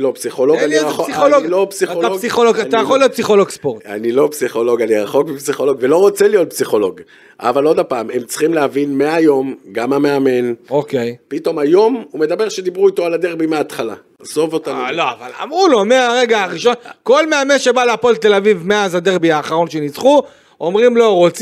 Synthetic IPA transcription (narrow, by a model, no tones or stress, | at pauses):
lopsiχoloɡaniʁaoolopsioaɡsiχoloɡat̪ajaχolːio̞t̪̚psiχolo̞ɡspoʁta̰nilo̞psiχo̞lo̞ɡaniʁaχokbipsiχo̞lo̞ɡvelo̞ʁot͡selijot̪̚psiχo̞lo̞ɡ | a̰valo̞d̪apaːmemt͡sχimleavinmeajo̞mɡamame̞ame̞nokejpit̪o̞majo̞mumed̪abe̞ʁʃed̪ibʁuit̪o̞alad̪eʁbimeaːt̪χala̰ | zovot̪aoloa̰vala̰mʁulomeaʁe̞ɡaaʁiʃo̞nko̞lme̞ame̞nʃe̞baleapolt̪e̞lavivmeazad̪eʁbiaːχaʁo̞nʃe̞nit͡sχu | o̞mʁimlo̞ʁot͡s